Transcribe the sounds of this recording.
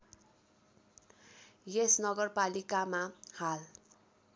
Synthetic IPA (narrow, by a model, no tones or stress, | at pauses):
jesnʌɡʌrpalikamahal